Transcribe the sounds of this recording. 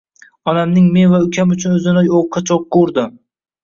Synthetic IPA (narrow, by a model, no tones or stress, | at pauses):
ɒnamnɪŋme̞nvaʊkʲʰamʊt͡ʃʰʊnɵzɪnajoqʰːɑt͡ʃʰɒq̚ːoɾd̪ɪ